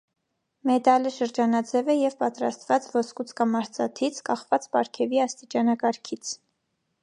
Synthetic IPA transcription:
mɛt̪ɑləʃəɾd͡ʒɑnɑd͡zɛvɛjɛvpɑt̪ɾɑst̪vɑt͡svɔskut͡sʰkɑmɑɾt͡sɑt̪ʰit͡sʰkɑχvɑt͡spɑɾkʰɛviɑst̪it͡ʃɑnɑkɑɾkʰit͡sʰ

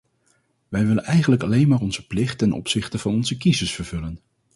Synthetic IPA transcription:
ʋɛjʋɪlənɛjχənləkɑlejnmaːɹɔnz̥əplɪχtːɛnʔɔ̰psɪχtəv̥ɑnɔnzəkizəsfəɹv̥ɵlən

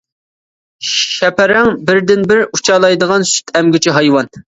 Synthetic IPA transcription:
ʃɛpʰɛɾɛŋbɪɾd̪ɪnbɪɾut͡ʃʰɑːlˠɑjd̪əʁɑnsy̥t̪ʰɛmɡʲɪt͡ʃʰiɦɑjwɑn

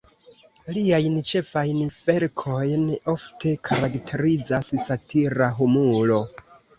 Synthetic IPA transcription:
liajnt͡ʃe̞fajnve̞ɾkʰo̞jno̞ftʰe̞kʰaɾaktʰe̞ɾid͡zassatʰiɾaɦumulo̞

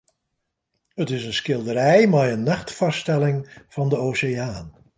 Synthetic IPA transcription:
ɦətɪsənskɪlˠdəɾɛjmaːɹənːɑχtfɑstɛlɪŋv̥ɑndəowsɪjaːn

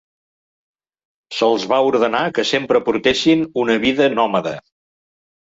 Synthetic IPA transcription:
səlˠzβauɾðənakəsempɾəpuɾt̪esinunəβiðənɔməðə̰

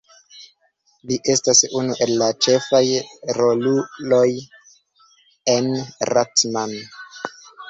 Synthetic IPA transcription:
liʔe̞stasunuʔe̞lːat͡ʃe̞fajɾo̞luloj | enratman

